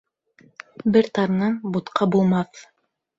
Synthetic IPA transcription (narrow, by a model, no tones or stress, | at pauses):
bɘɾt̪ɑɾnɑnbut̪qɑbulˠmɑθ